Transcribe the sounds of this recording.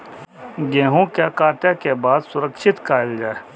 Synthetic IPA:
ɡɛ̃ːɦõkjakaːʈjakebaːd̪sʊɾəkʃɪt̪kaːld͡ʒaːe

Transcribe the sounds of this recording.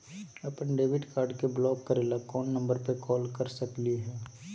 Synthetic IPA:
ɐpənɖeːʋɪɖkaːɾɖkeblɔːkːəɾeːlakɔːnːə̃mbəɾpekɔːlkəɾsəkliɦɛː

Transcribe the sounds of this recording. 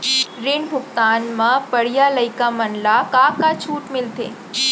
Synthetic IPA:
ɾɪɳbʱʊkt̪aːnmãpəɽ̤ijaləikamənlakakat͡ʃʰuːʈmɪlt̪ḛː

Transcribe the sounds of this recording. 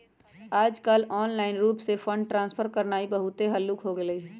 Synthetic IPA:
aːd͡ʒkəlɔːnlaːɪnɾuːpsefʰə̃ɳɖ̚ʈɾãːnspʰəɾkɐɾnaːibɐɦʊt̪eɦɐlːuːkɦoɡeləiː

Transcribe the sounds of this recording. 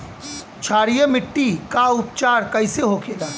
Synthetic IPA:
t͡ʃʰaːɾijəmɪʈːikaʊp̚t͡ʃaːɾkɐɪseɦokʰeːɡaː

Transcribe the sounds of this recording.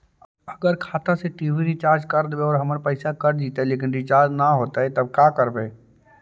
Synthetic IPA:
ɐɡəɾkʰaːt̪aseʈiːʋiɾit͡ʃaːɾd͡ʒkɐɾd̪beɔːɾɦɐməɾpəɪsakɐɾd͡ʒiːt̪aɦeleːk̬ɪ̃nɾit͡ʃaːɾd͡ʒnaɦoːt̪aɦɛt̪ɐb̚kaːkɐɾbeː

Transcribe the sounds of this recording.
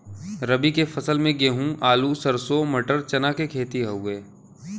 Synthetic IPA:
ɾəbikefʰɐsəlmẽɡeːɦũʔaːlusəɾsomɐʈəɾt͡ʃɐnakekʰeːt̪iɦɐueː

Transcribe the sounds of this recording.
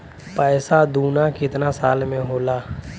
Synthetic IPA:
pɛːsad̪uːnakɪt̪nasaːlmẽɦoːlaː

